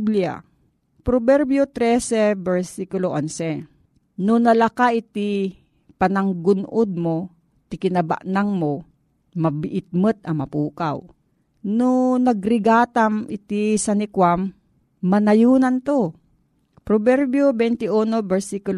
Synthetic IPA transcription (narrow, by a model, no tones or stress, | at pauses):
blɪa̰ | pɾobɛɾbjot̪ɾɛsɛbɛɹsikʊloʔansɛ | nonɐlɐkaʔɪt̪ɪ | pɐnɐŋɡʊnʔod̪̚mo | t̪ɪkɪnɐba̰ʔnaŋmo | mɐbɪʔɪt̪̚mɨt̪̚ɐmɐpuːka̰w | nonɐɡɾɪɡaːt̪amʔɪt̪isɐnɪkwamː | ɐnɐjuːnɐnt̪o | pɾobɛɾbjobɛnt̪ɪʔunobɛɹsikʊl